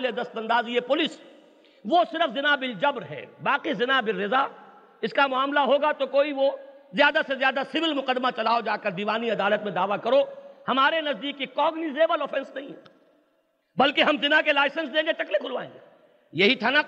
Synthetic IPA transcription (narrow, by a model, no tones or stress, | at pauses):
led̪ɐst̪ɐ̃nd̪aːziepʊlɪs | ʋosɪɾəfzɪnabɪld͡ʒɐbɾɦɛ̰ːbaːqizɪnabɪɾːɪza | ɪskamʊaːmlaɦoːɡat̪okoːiʋozjaːd̪asezjaːd̪asɪʋɪlmʊqəd̪mat͡ʃɐlaːod͡ʒaːkɐɾd̪iːʋaːniɐd̪aːlət̪mẽd̪aːʋakɐɾohɐmaːɾenɐzd̪iːkːikɔːɡnizeːbəlɔːfɛ̃nsnɐɦĩɦ | bɐlkeɦɐmzɪnakelaːɪsə̃nsd̪ẽːŋɡet͡ʃɐklekʰʊlʋaːḛ̃ːŋɡeː | jɐɦit̪ʰana